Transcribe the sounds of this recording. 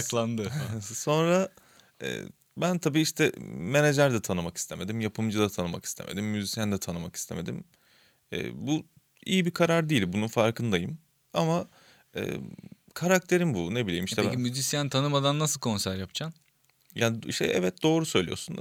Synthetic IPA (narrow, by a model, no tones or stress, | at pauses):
aklˠand̪ɯso̞nɾa | ɛ̰ː | bænt̪ʰabiːiʃt̪ʰɛme̞ned͡ʒæɾd̪ɛt̪ʰanɯmaki̥st̪ʰeme̞d̪imjapʰɯmd͡ʒɯd̪at̪ʰanɯma̰ki̥st̪ʰḛme̞d̪imːyzisjænd̪ɛt̪ʰanɯmaki̥st̪ʰe̞me̞d̪ḭm | ɛ̰ːbu | ḭjibikʰaɾaɾd̪iːlʲbununfaɾkʰɯnd̪ajɯm | ama | ɛ̰ː | kʰaɾak̚t̪ʰe̞ɾimbunebilʲejimiʃt̪ɛmyzisjænt̪ʰanɯmad̪anːasɯlˠkʰo̞nsæɾjapt͡ʃʰan | jaːnḭʃt̪ʰɛ̰ʔɛvɛt̪̚d̪̥o̞ːɾusø̞jlʲijo̞̰sun